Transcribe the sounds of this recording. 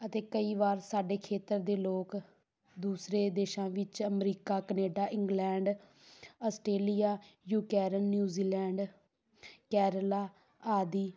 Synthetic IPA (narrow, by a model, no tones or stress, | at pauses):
ət̪eːkəiːʋaːɾsaːɖeːkʰeːt̪əɾd̪eːloːk | d̪uːsɾeːd̪eːʃãːʋɪt͡ʃəmɾiːkaːkəneːɖaːʔɪ̃ŋɡlɛ̃ːɳɖ | əsʈeːlijaːjuːkɛːɾənːjuːziːlɛːɳɖ | kɛːɾlaː | aːd̪iː